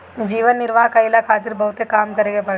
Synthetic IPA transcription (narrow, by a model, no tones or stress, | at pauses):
d͡ʒiːʋənːɪɾʋaːkɐɪlakʰaːt̪ɪɾbɐɦʊt̪ekaːmkɐɾeːɡebɐɽ